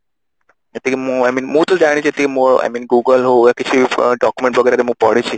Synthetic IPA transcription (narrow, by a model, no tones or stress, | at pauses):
et̪ikemũajmiːnmũt̪od͡ʒaɽ̃it͡ʃʰet̪iemoa̰jmiːnɡuɡəlɦoɡakit͡ʃʰiɖɔkjumẽɳʈʋəɡɛjɾeɾemɦũpɔɽit͡ʃʰi